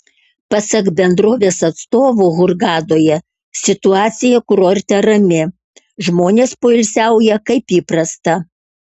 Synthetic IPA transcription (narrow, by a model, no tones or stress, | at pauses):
pɐsɐkbʲɛnd̪ɾoːʋʲeːsɐt̪st̪oːʋuɣʊɾɡɑːd̪oːjɛ | sʲɪt̪ʊɑːt̪sʲɪjɛkʊɾoːɾʲt̪ʲɛɾɐmʲɪ | ʒmoːnʲeːspoːɪlʲsʲæˑʊjɛkɐɪpiːpɾɐst̪ɐ